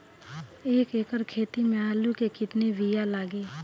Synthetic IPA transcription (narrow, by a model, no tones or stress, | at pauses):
eːkeːkəɾkʰeːt̪imẽaːlukekɪt̪neʋijalaːɡiː